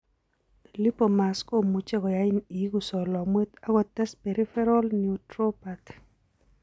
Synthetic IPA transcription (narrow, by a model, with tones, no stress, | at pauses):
li˦po˨ma˨sko˦mu˨t͡ʃe˦kɔ˨ja˦ɪ˦ni˨˦ɡu˨sɔ˨lɔ˨mwe˦t̪a˦ɡɔ˦˨t̪ɛ˦spe˨ɾi˦fɛ˦ɾɔ˦lniu˨tɾo˦pa˨t